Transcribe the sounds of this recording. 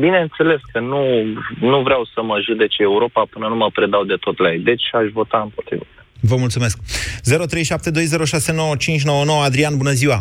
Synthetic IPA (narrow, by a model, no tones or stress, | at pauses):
bine̞ɨnt̪se̞le̞skənunuvɾeawsəməʒud̪e̞t͡ʃeuɾo̞papɨnənuməpɾe̞d̪awd̪e̞t̪o̞t̪lajd̪e̞t͡ʃʲaʃvo̞t̪aɨmpo̞t̪ɾḭvamavəmult̪sume̞sk̚ze̞ɾo̞t̪ɾe̞jʃap̚t̪e̞d̪o̞jze̞ɾo̞ʃase̞no̞wət͡ʃint͡ʃʲno̞wəno̞wəad̪ɾianbunəziwa